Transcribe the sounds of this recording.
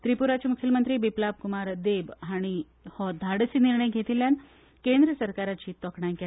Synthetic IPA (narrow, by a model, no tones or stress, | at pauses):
t̪ɾipuɾat͡ɕimukʰəlmənt̪ɾiːbiplab̚kumaɾd̪ebɦaɽ̃i | hɔd̪ʱaɽsiːniɾɳəjɡʱet̪iljan | kend̪ɾəsəɾkaɾat͡ɕiːt̪ɔkɳajke